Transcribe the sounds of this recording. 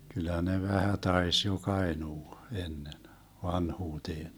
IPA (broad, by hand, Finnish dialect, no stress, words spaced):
kylˑæ ne ʋæhæ tɑis jok ɑenuː enːen ʋɑnhuːteːn